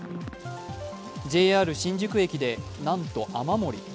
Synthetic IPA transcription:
d͡ʑe̞ːaːɾɯ̟ɕĩɲ̟d͡ʑɨkɯ̟e̞kʲid̪e̞nãnt̪o̞ʔamamo̞ɾʲḭ

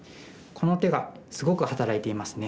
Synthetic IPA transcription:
kʰo̞no̞t̪e̞ɡa | sɨɡo̞kɯ̟hat̪aɾait̪e̞imasɨne̞

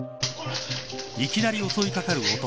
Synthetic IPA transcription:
ikʲinaɾʲio̞so̞ikakaɾɯ̟ot̪o

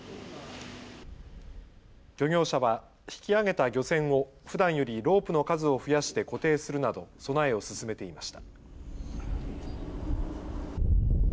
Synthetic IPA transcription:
ɡ̥ʲo̞ɲʲo̞ːɕaβa | çi̥kʲiaɡe̞t̪aɡʲo̞sẽ̞ɰ̃o̞ | ɸɯ̟d̪ãɰ̃jo̞ɾʲiɾo̞ːpɯ̟no̞kazɨo̞ɸɯ̟jaɕi̥t̪e̞ko̞t̪e̞ːsɨɾɯ̟nad̪o̞so̞naeo̞sɨsɨme̞t̪e̞imaɕi̥t̪ḁ

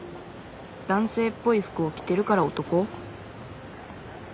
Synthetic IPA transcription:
d̪̥ãɰ̃se̞ːpːo̞iɸɯ̟̥kɯo̞kʲi̥t̪e̞ɾɯ̟kaɾaot̪o̞ko̞

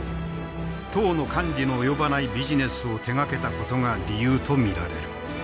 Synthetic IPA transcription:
t̪o̞ːno̞kʰãɲɾʲinoːjo̞banaibʲiʑine̞sɨo̞t̪e̞ɡake̞t̪ako̞t̪o̞ŋaɾʲijɯːt̪o̞mʲiɾa̰ɾe̞̰ɾɯ

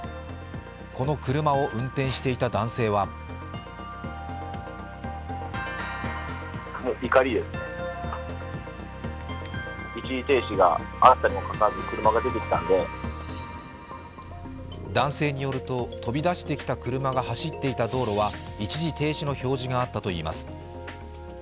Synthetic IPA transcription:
kʰo̞no̞kɯ̟ɾɯ̟mao̞ʔɯ̟̃nt̪ẽ̞ɰ̃ɕi̥t̪e̞it̪ad̪ãɰ̃se̞ːβa | kmoikaɾʲid̪e̞sɨ̥ | it͡ɕiʑit̪e̞ːɕiɡa̰at̪ːaɾʲimokakazɯkɯ̟ɾɯ̟maɡad̪e̞t̪e̞kʲi̥t̪ãnd̪e̞ | d̪ãɰ̃se̞ːɲ̟ijo̞ɾɯ̟t̪o̞t̪o̞bʲid̪aɕi̥t̪e̞kʲi̥t̪akɯ̟ɾɯ̟maɡahaɕit̪ːe̞it̪ad̪o̞ːɾo̞βait͡ɕiʑit̪e̞ːɕino̞ço̞ːʑiɡaːt̪ːat̪o̞ḭːma̰sɨ̥

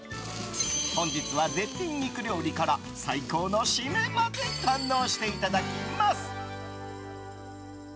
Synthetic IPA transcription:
hõ̞ɲ̟d͡ʑit͡sɨβaze̞t̪ʲːĩɲ̟ːiːkɯ̟ɾʲjo̞ːɾʲikaɾa | saiko̞ːno̞ɕimẽmad̪e̞kãnːo̞ːɕi̥t̪e̞it̪ad̪akʲimasɨ̥

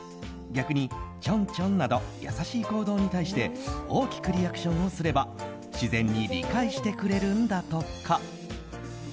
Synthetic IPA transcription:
ɡʲakɯ̟ɲ̟it͡ɕõ̞ɲt͡ɕõ̞nnːad̪o̞ja̰saɕiːko̞ːd̪o̞ːɲ̟it̪aiɕi̥t̪e̞o̞ːkʲi̥kɯ̟ɾʲijakɯ̟̥ɕõ̞ɰ̃o̞sɨɾe̞ba | ɕizẽ̞ɲ̟ːiɾʲḭkaiɕi̥t̪e̞kɯ̟ɾe̞ɾɯ̟̃nd̪at̪o̞kʰːa

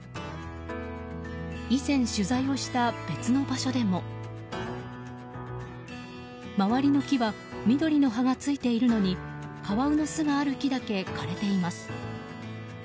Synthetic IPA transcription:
izẽ̞ɰ̃ɕɨzaio̞ɕi̥t̪ab̥e̞t͡sɨno̞baɕo̞d̪e̞mo̞ | maβaɾʲino̞kʲiβa | mʲid̪o̞ɾʲino̞ɦaɡat͡sɨit̪e̞iɾɯ̟no̞ɲ̟ikaβaɯ̟nosɨɡaːɾɯ̟kʲid̪ake̞kʰaɾe̞t̪e̞imasɨ̥

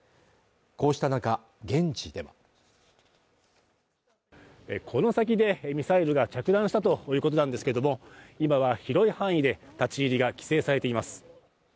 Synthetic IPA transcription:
ko̞ːɕi̥t̪anaka | ɡẽ̞ɲ̟t͡ɕid̪e̞βa | ekʰo̞no̞sak̬ʲid̪e̞mʲisaiɾɯ̟ɡat͡ɕakɯ̟d̪ãɰ̃ɕi̥t̪at̪o̞jɯ̟ːkot̪o̞nãnd̪e̞sɨ̥ked̪omo̞imaβ̞açiɾo̞ihãɰ̃id̪e̞t̪at͡ɕiːɾʲiɡakʲi̥se̞ːsaɾe̞t̪e̞imasɨ̥

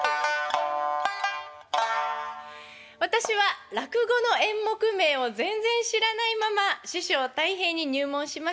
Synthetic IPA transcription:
βat̪aɕiβaɾakɯ̟ɡo̞no̞ẽ̞mːo̞kɯ̟me̞ːo̞zẽ̞nd͡zẽ̞ɰ̃ɕiɾanaimamaɕɨɕo̞ːt̪aiɦẽ̞ɲ̟ːiɲ̟ɨːmõ̞ɰ̃ɕimas

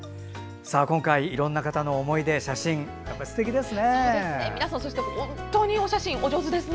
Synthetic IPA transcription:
saːkõ̞ŋkaiːɾõ̞nːakat̪ano̞ːmo̞id̪e̞ɕaɕĩŋ | japːaisɨ̥t̪e̞kʲid̪e̞sɨne̞eminasãso̞ɕit̪emohõnnt̪o̞ːɲ̟io̞ɕaɕĩŋʔo̞d͡ʑo̞zɨd̪e̞sɨn

